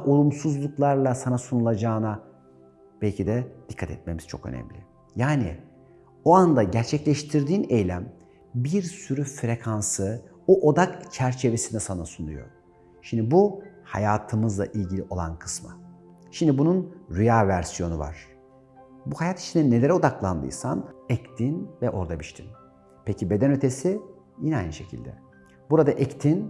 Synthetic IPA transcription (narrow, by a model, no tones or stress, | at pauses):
ʔo̞lˠumsuzlˠuklˠaɾlˠasanasunulˠad͡ʒaːna | b̥ɛlʲcʰid̪ɛd̪̥ikʰːat̪ʰɛt̪me̞miz̥t͡ʃʰo̞̰kø̞̰nɛ̰mlʲɪ̰ | jaːnḭ | oand̪aɟæɾt͡ʃʰɛclʲɛʃt̪ʰiɾd̪iːne̞jlʲæm | biɾsyɾyfɾe̞kʰansɯ | oʔo̞d̪akt͡ʃʰæɾt͡ʃʰe̞ve̞sinɛsanasunṵjo̞̰ | ʃimd̪ibuhajaːt̪ʰɯmɯzlˠa̰ʔilʲɟilʲiʔo̞lˠa̰nkʰɯ̥sma̰ | ʃimd̪ibununɾyjaːvæɾsijo̞nuva̰ɾ̥ | buhajat̪i̥t͡ʃʰind̪ɛnːe̞lʲe̞ɾɛo̞d̪aklˠand̪ɯ̰jsa̰nɛct̪ʰinvɛʔo̞ɾd̪abiʃt̪ʰin | pʰecibe̞d̪ænø̞t̪ʰe̞si | jinɛa̰jnɯʃe̞cʰḭlʲd̪ɛ̰ | buɾad̪aʔɛct̪ʰin